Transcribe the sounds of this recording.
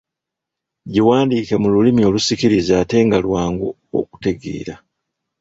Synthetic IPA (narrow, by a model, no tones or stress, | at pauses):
ɟiwaːndiːke̞mululimio̞lusiciɾizaːte̞ːŋɡalwaːŋɡu | o̰ku̥te̞ɡḛːɾa